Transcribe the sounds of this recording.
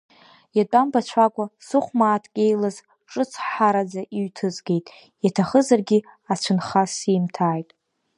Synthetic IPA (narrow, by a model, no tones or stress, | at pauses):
jatʷʼambat͡ɕʷʰakʷʼasɨχʷmaːtʰkʲʼe̞jlaz | ʈ͡ʂʼɨt͡sʰħaɾad͡zaʔiɥtʰɨzɡʲe̞jtʼ | jatʰaχəzarɡʲi | at͡ʃʷʰʊnχasiːmtʰaːjtʼ